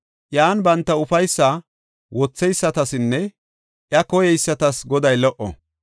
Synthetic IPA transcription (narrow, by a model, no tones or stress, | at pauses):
ʔjaːnbɐnt̪ːɐʊfɐjsːa | wɔt͡sːɛjsːɐt̪ɐsɪnːɛ | ʔjɐkɔjɛjsːɐt̪ɐsɡɔd̪ɐjlɔʔɔ̰